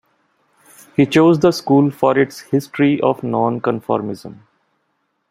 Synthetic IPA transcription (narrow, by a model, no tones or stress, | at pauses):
hiːt͡ʃoːzd̪əskuːlfɔːɾɪʈshɪsʈɾiʔɔːʋnɔ̃ːnkə̃nfɔ̰ːɾmɪzə̰̃m